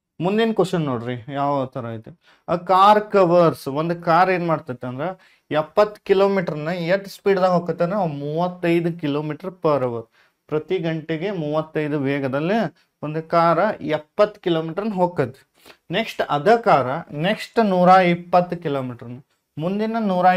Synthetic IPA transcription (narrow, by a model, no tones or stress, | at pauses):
mund̪inɐkɐʃɐnːoːɽɾijaːʋt̪ʰɐɾɐit̪e | kaːɾkɐʋɐɾsʋond̪ukaːɾeːnmaːɽt̪ɐt̪ːeɐnd̪ɾe | ɛpːɐt̪ːkiloːmiːʈɐɾɐnːɐjɐʈspiːɖd̪ɐːɡɦoːkɐt̪ːɐnmuːʋɐt̪ːɐjd̪ukiloːmiːʈɐɾpɐɾɐʋɐɾ | pɾɐt̪iɡɐɳʈeɡe̞muːʋɐt̪ːɐjd̪uʋɛːɡɐd̪ɐlːi | ʋond̪ukaːɾɐɛpːɐt̪ːu̥kiloːmiːʈɐɾɐnːɐɦoːkɐt̪ːe̥ | neksʈɐd̪ɐkaːɾɐneksʈnuːɾaːipːɐt̪ːukiloːmiːʈɐɾɐnːɐ | mund̪inɐnuːɾaː